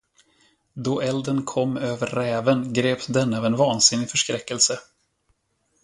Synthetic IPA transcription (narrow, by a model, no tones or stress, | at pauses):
d̪ɔʔɛld̪ənkʰɔmːøːvəɾːɛːvənɡɾeːpd̪ɛnːɑvɛnvɑːnsɪnːɪfœʂkɾɛkːəlsə